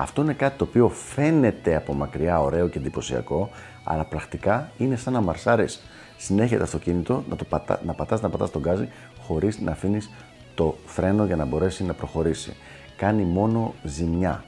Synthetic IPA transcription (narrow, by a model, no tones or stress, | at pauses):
ɐ̰ft̪o̞ine̞kɐt̪i̥t̪o̞ːpio̞fe̞ne̞t̪e̞ɐpo̞mɐkɾiɐo̞ɾe̞o̞ce̞nd̪ipo̞siɐ̰ko̞ | ɐ̰lɐpɾɐxt̪ikɐine̞sɐnɐmɐɾsɐɾisː | ine̞çet̪eɐst̪o̞cinit̪o̞nɐt̪ot̪nɐpɐt̪ɐst̪nɐpɐt̪ɐst̪o̞ɡɐzi | xo̞ɾiznʔɐfinis | t̪o̞θɾe̞no̞ʝɐnɐbo̞ɾe̞sinɐpɾo̞xo̞ɾisḭ | kɐnimo̞no̞zimɲɐ̰